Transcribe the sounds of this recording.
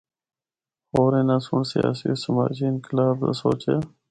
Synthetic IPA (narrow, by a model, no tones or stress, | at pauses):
hoːɾẽːnãːsʊɳsɪja̰ːsiosəma̰ːd͡ʒiːɪnkɪlaːbɾə̰soːt͡ʃeː